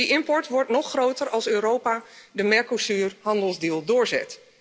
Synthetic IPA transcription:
iʔɪmpɔɹtʋɔɹtnɔxrowtərɑlˠsøːɾoːpadəmɛɹkosyːrhɑndəlˠzdiːlˠdʊːɹzɛ̰t

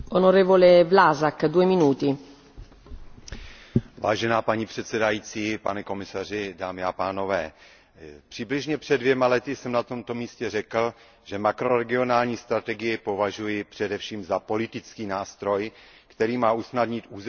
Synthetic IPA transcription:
onoɾɛːvolevlaːzakd̪uːɛminuːt̪i | va̰ːʒɛnaːpaɲipr̝̥ɛt̪sɛdajiːt͡siːpa̰nɛko̞mɪsar̝ɪdaːmɪapaːno̞vɛː | pr̥ɪblɪʒɲɛpr̥ɛdvjɛmalɛt̪ɪsɛmnat̪omt̪o̞miːscɛrɛkl̩ | ʒɛmakɾo̞ɾɛɡɪo̞naːlɲiːst̪ɾat̪ɛɡɪjɛpo̞vaʒujɪpr̥ɛdɛfʃiːmzapo̞lɪt̪ɪt͡skiːnaːst̪ɾo̞j | kt̪ɛɾiːmaːʔusnadɲɪt̪ʔuːz

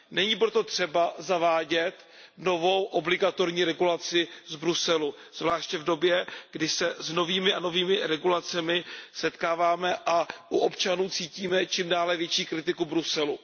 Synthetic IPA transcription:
nɛɲiːpɾo̞t̪o̞t̪r̝̥ɛbazavaːɟɛt̪ | no̞vo̞wʔo̞blɪɡat̪o̞ɾɲiːɾɛɡulat͡sɪzbɾusɛlu | z̥vlaːʃcɛvdo̞bjɛɡ̥dɪsɛzno̞viːmɪʔano̞viːmɪɾɛɡulat͡sɛmɪsɛt̪kaːvaːmɛʔaʔuʔopt͡ʃanuːt͡siːciːmɛt͡ʃiːmdaːlɛvjɛt͡ʃiːkɾɪt̪ɪkubɾusɛlu

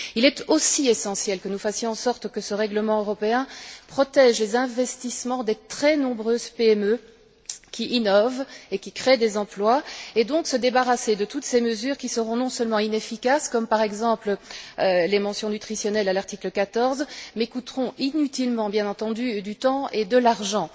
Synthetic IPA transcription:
ilɛt̪osiesɑ̃sjɛlkənufasjɔ̃ɑ̃sɔʁt̪kəsəʁɛɡləmɑ̃øʁɔpeɛ̃pχɔt̪ɛʒlezɛ̃vɛst̪ismɑ̃d̪et̪χɛnɔ̃bʁøːzpeɛmø | kʲʰiʔinɔvekʲikχed̪ezɑ̃plwaed̪ɔ̃ksəd̪ebaʁased̪ət̪ut̪seməzyːʁkʲisəʁɔ̃nɔ̃sœlmɑ̃inefikaskɔmpaʁɛɡzɑ̃pləølemɑ̃sjɔ̃nyt̪χisjɔnɛlalaʁt̪ikləkat̪ɔʁzmekut̪ʁɔ̃ʔinyt̪ilmɑ̃bjɛ̃nɑ̃t̪ɑ̃d̪yd̪yt̪ɑ̃ed̪əlaʁʒɑ̃

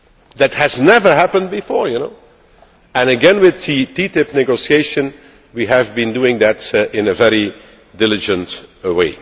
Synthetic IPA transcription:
ðɨthɨznɛvə˞ɦæpə̃n̚bɪfɔɹjunoʊ | ɨ̃nɨɡɛ̃nwɪðititɪp̚nɛɡoʊsieɪʃɨ̃n | wiɦɨvbĩnduɪ̃ŋðɨtɪ̃nəvɛɹi | dɪlɪd͡ʒə̃ntweɪ

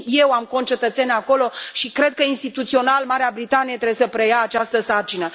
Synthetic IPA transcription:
je̞wamkont͡ʃe̞t̪ət̪se̞nʲako̞lo̞ʃikɾe̞d̪̚kəinst̪it̪ut̪sio̞nalmaɾeabɾit̪anijet̪ɾe̞besəpɾe̞jaːt͡ʃast̪əsart͡ʃinə

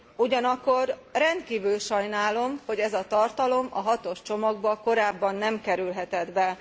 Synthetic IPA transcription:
uɟɒnɒkːo̞rrɛnt̪kiːvylʃɒjnaːlo̞mho̞ɟɛzɒt̪ɒrt̪ɒlo̞mɒ̰ɦɒt̪o̞ʃt͡ʃo̞mɒɡ̚bɒko̞ɾaːbːɒnːɛmkɛɾylɦɛt̪ɛd̪bɛ

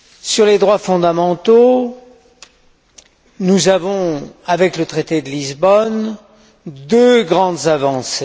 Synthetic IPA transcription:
syʁled̪ʁwafɔ̃d̪amɑ̃t̪o | nuzavɔ̃avɛklət̪χet̪ed̪əlizbɔn | d̪øɡʁɑ̃d̪zavɑ̃se

